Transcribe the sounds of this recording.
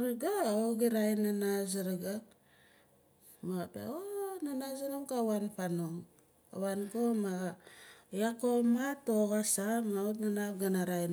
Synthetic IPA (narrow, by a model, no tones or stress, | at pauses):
ɾɡaoɡiɾajnanaziɾaɡa | maɣapa̰onanazanoŋkawanpanoŋ | a̰wankomaɣajakomatoɣasamaotnanapɡanaɾajn